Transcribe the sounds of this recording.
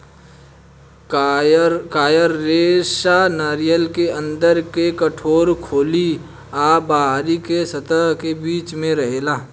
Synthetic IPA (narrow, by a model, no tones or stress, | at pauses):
kaːjəɾːeːʃanaːɾijəlkeə̃nd̪əɾkekɐʈʰoːɾkʰoːli | aːbaːɦɾikesɐt̪əɦkebiːt͡ʃmẽɾɐɦelaː